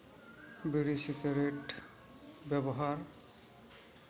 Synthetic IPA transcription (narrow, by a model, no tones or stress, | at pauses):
biɹisikaɾeʈ | bɛbɔɦaɹ